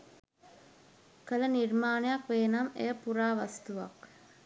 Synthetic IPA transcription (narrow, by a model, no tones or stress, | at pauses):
kələnirmaːnejakʋeːnamḛjəpuɾaːʋast̪uʋa̰k